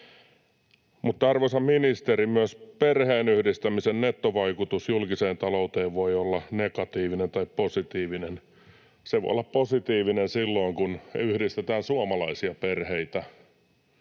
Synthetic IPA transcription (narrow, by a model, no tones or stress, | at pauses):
mut̪ːɑrʋesɑmminist̪eɾimyøsperheːnyhdist̪æmisennet̪ːoʋɑikut̪usjulkiseːnt̪ɑlout̪eːʋʋoiolːɑnekɑt̪iːʋinent̪ɑipposit̪iːʋinen | seʋo̰jo̰lːɑpposit̪iːʋinensilːoiŋkunyhdist̪et̪æːnsuɑmɑlɑisiɑperheit̪æ